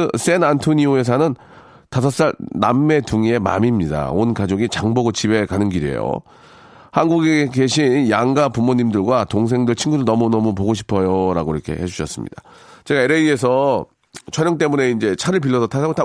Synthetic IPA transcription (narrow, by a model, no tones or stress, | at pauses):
s͈enantʰoɲioe̞s̬ʰanɯn | tasʰʌs͈aɭnamːe̞tuŋie̞ma̰mimɲida̰onkad͡ʑoɡit͡ɕaŋboɡot͡ɕibe̞kanɯnɡiɾiḛjo̰ | hanɡuɡeke̞ɕʰinjaŋɡapumoɲimdɯɭɡwatoŋs̬ʰe̞ŋdɯɭt͡ɕʰinɡudɯɭnʌmunʌmup̬oɡoɕʰi̥pʰʌjoɾaɡoiɾʌkʰe̞̰he̞d͡ʑuɕʰʌs͈ɯmɲḭd̥at͡ɕe̞ɡaeɾeie̞sʰʌ | t͡ɕʰʌɲjʌŋt͈e̞mune̞ind͡ʑe̞t͡ɕʰaɾɯɭp̬iɭːʌsʰʌtʰasʰaɡota